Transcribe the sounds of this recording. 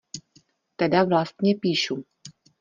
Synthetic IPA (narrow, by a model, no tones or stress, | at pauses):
t̪ɛdavlast̪ɲɛpiːʃu